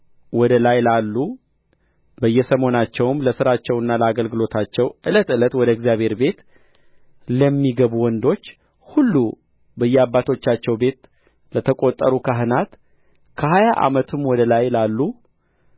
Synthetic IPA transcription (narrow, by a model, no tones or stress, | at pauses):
wɔd̪əlajlalːu | bəjːɛsəmo̞nat͡ʃːɛwɨmləsɨɾat͡ʃːɛwɨnːaləaɡəlɡɨlo̞t̪ʰat͡ʃːɛwʔɨlət̪ɨlət̪wɔd̪əɛɡzijaβhe̞ɾbe̞t̪ | ləmːiɡəβuwɔnd̪o̞t͡ʃː | hulːu | bəjːɛabːat̪ʰo̞t͡ʃːat͡ʃːɛwbe̞t̪ | lət̪ʰəkʼo̞t̪ʼːəɾukʰaɦɨnat̪ | kʰəhajaʔa̰mət̪ʰɨmwɔd̪əlajlalːu